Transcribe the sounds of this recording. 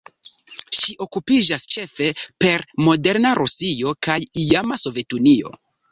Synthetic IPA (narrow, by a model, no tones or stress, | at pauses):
ʃiʔo̞kupid͡ʒast͡ʃe̞fe̞pe̞ɾmo̞de̞ɾnaɾʔusio̞kajiamaso̞ve̞tunio̞̰